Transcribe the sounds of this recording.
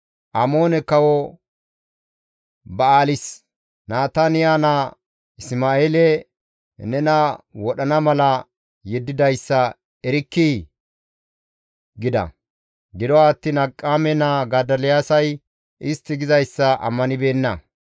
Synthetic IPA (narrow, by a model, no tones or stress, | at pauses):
ʔɐmoːnɛkɐwɔ | bɐaːlɪs | naːt̪anɪjaːnɐ | ɪsmaːeːlɛ | nɛnɐwɔɗɐnɐmɐlɐ | jɛd̪ːɪd̪ɐjsːɐ | ɛɾɪkːi | ɡɪd̪ɐ̰ | ɡɪd̪ɔwaːt̪ːinɐkʼːaːmɛnaɡɐd̪ɐlɪjaːsɐj | ʔɪst̪ːɪɡɪzɐjsːɐʔɐ̰mːɐnɪbe̞ːnːɐ